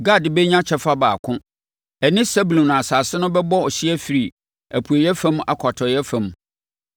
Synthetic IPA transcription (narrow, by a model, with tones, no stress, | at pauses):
ɡa˦˨dbɛ˦ɲã˦t͡ɕʰɛ˨fa˦baː˨kʰʊ̃˦ | ɛ˨nɪ̃˦sɛ˦bu˨lɔ̃˨n˨a˨saː˨sɪ˦nʊ̃˦bɛ˦bɔ˦ɔ˨ɕi˦ɛ˦fi˨ɾi˨ | æ˨pʰu˨e˨jɛ˦fã˦m˦a̰˨kʰɔ˨tʰɔ˨jɛ˦fã˨˦m